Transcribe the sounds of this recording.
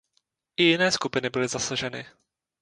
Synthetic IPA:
ʔɪjɪnɛːskupɪnɪbɪlɪzasaʒɛnɪ̰

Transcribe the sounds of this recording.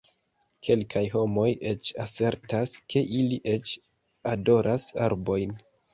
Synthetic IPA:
kʰe̞lkʰajɦo̞mo̞je̞t͡ʃase̞ɾtaskʰe̞ʔiliʔe̞t͡ʃ | ado̞ɾʔasa̰ɾbo̞jn

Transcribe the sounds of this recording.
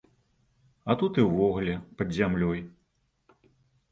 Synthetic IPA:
ɐt̪ut̪ɨwvɔɣlʲɛpɐd̪zʲamlʲɔj

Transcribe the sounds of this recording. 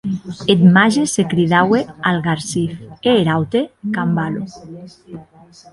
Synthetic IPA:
et̪maʒesekɾiðawealɣaɾsifeːɾawt̪ekambalo

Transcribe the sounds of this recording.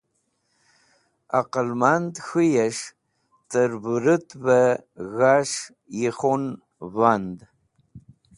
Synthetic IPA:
a̰qəlmantʼxɨjɐʂ | tʰʼɨrbɨrɨtʰʼbɐɣaʂ | jɪχon | vand

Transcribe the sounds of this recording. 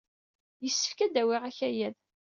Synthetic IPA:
jəsːə̥fkæd̪æwɪʁæçæjæð

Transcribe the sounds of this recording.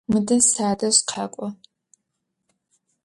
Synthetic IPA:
mɨdɐsaːdɐsqʰakʷʼɔ

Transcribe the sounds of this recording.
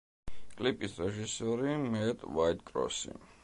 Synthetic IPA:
kʼlipʼisɾɛʒisɔɾimɛt̪ʼwajt̪̚ʼkʼɾɔ̰sḭ

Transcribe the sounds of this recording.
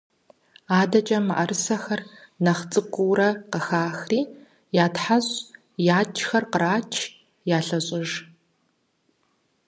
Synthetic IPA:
aːdɐt͡ʃʼɐmaʔɐrɨsɐxɐrnɐχt͡sʼɨkʷʼʊwɾɐqəxaːxriː | jaːtħaʑ | jaːt͡ʃʰxɐrqəɾaːt͡ʃʰ | jaːɬɐɕʼɪʒ

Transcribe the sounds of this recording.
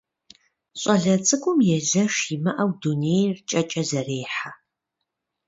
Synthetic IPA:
ɕʼɐɮɐt͡sʼɨɡʷʊmjɛɮɐʂiːmɐʔɐwduneːjrt͡ʃʼɐt͡ʃʼɐzɐreːħa

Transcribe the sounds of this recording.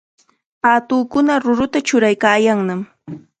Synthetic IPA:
aːt̪ʊːkʊnaɾʊɾʊt̪at͡ʃʊɾajkaːjaŋnam

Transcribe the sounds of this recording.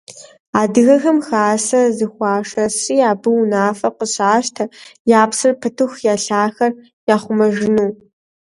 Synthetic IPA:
aːdɨɣɐxɐmxaːsɐzɨxʷɑːʂɐsʼiːjaːbɨwnaːfɐqəɕaːʃtʰɐjaːpsɨrpʰɨtʰuxjaːɬaːxɐr | jaːχʷʊmɐʒɪnuː

